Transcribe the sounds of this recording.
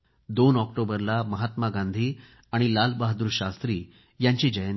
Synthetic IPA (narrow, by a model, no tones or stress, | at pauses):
d̪onɔk̚ʈobəɾlaməɦat̪maɡãnd̪ʱiː | aɽ̃ilalbaɦad̪uːɾɕast̪ɾiː | jaɲt͡ɕiːd͡ʑəjn